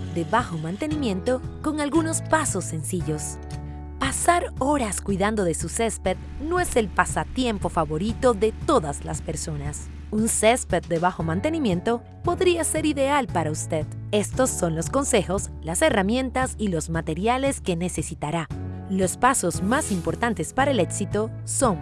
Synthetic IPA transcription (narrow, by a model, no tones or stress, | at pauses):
d̪e̞βaxo̞mãnt̪e̞nimjẽ̞nt̪o̞ko̞ŋalɣuno̞spaso̞sːe̞nsiʝo̞s | pasaɾo̞ɾaskwiðand̪o̞ðe̞susespet̪̚ | noe̞se̞lpasat̪je̞mpo̞faβoɾit̪o̞ðe̞t̪o̞ðazla̰spe̞ɾso̞nas | unsespet̪̚d̪e̞βaxo̞mãnt̪e̞nimje̞nt̪o̞ | po̞ðɾiase̞ɾiðe̞alpaɾaust̪e̞ðe̞st̪o̞sːo̞nlo̞sko̞nse̞xoslase̞ramjẽ̞nt̪asilo̞zmat̪e̞ɾjale̞ske̞ne̞se̞sit̪aɾa | lo̞spaso̞zmasimpo̞ɾt̪ant̪e̞spaɾaele̞ksit̪o̞ | so̞ŋ